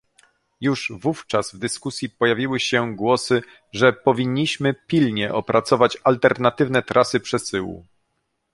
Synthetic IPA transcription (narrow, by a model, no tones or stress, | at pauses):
juʐvuft͡ʂazvd̪ɘskusʲjipɔjavʲiwɘɕɛɡwɔsɘ | ʐɛpɔvʲiɲːiɕmɘpʲilɲɛʔɔpɾat̪sɔvat͡ɕalt̪ɛɾnat̪ɘvnɛt̪ɾʔasɘpʂɛsɘwṵ